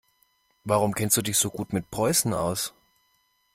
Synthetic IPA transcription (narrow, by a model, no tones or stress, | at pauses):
vaʁ̞ʊmkʰɛnstd̥uːdɪçz̥oːɡuːtmɪt̚pʁ̥ɔʏsn̩ʔa̰ʊs